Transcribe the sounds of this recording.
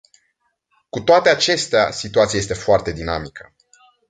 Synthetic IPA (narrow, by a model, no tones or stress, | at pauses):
kut̪oat̪e̞at͡ʃe̞st̪ea̰sit̪uat̪siajes̬t̪efoart̪e̞d̪inamikʰə̥